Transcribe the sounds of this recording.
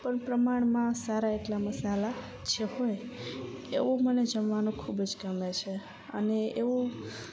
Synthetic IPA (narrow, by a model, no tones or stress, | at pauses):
pəɳpɾəmaɳ̃mãsaɾaeʈlaməsala | t͡ʃʰehoj | ḛʋuməned͡ʒəmʋanũkʰubd͡ʒkəmet͡ʃʰe | ə̰neeʋu